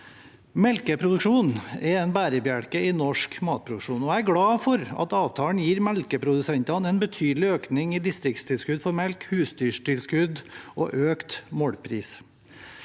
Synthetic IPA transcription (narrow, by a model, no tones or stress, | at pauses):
mɛlkəpʰɾʊd̪ʉkʂuːnɛɛnbæːɾəbjæɽkəɪnɔʂkmɑːt̪̚pʰɾʊd̪ʉkʂuːnɔæɪæɾɡɽɑːfɔɾɑ̰t̪ɑːʋt̪ʰɑːəɳ̩jiːɾmɛlkəpʰɾʊd̪ʉsɛnt̪ɑnɛːnbət̪ʰyːd̪lɪøːknɪŋid̪ɪst̪ɾɪk̚t̪st̪ʰɪlskʉd̪fɔɾmɛlkhʉːsd̪yːʂʈɪlskʉd̪ʔo̰ːʔøːkt̪mɔɽpʰɾḭːs